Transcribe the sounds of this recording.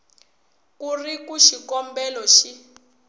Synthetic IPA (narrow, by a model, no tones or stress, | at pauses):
kurikuʃikɔmbɛlɔʃi